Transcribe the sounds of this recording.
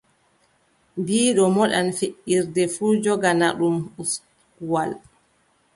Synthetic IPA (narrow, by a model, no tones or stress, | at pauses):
mbiːɗɔmɔɗanfeʔiɾdɛfuːd͡ʒɔɡanaɗumus | kuwal